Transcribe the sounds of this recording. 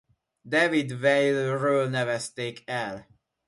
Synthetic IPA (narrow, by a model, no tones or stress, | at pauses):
d̪ɛvid̪vɛjlørøːlnɛvɛst̪eːkʰɛl